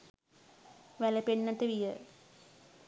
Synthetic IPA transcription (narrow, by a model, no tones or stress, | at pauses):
ʋæləpenːaʈəʋijə